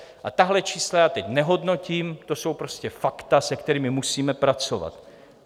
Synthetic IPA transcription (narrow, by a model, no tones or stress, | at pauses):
ʔat̪aɦlɛt͡ʃiːslajaːt̪ɛcnɛɦo̞dno̞ciːmt̪o̞so̞wpɾo̞scɛfakt̪asɛkt̪ɛɾiːmɪmusiːmɛpɾat͡sova̰t̪